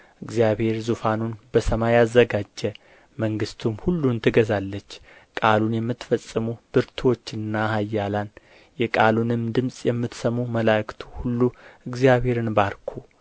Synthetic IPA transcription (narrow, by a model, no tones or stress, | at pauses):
ʔɨɡzijaβhe̞ɾzufanunbəsəmajazːəɡad͡ʒːə | məŋɡɨst̪ʰumhulːunt̪ʰɨɡəzalːət͡ʃː | kʼalunjɛmːɨt̪ːfəsʼːɨmub̥ɨɾt̪ʰo̞t͡ʃːɨnːaɦajːalan | jɛkʼalunɨmd̪ɨmsʼjɛmːɨt̪səmːuməlakt̪ʰu̥hulːuɨɡzijaβhe̞ɾɨnbaɾkʰu